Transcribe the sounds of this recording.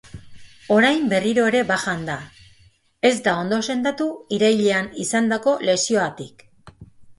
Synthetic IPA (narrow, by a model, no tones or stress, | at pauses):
o̞ɾajmbe̞riɾo̞e̞ɾe̞baʝand̪a | e̞zd̪ao̞nd̪o̞se̞nd̪at̪uiɾajʎeanisand̪ako̞le̞sio̞at̪ik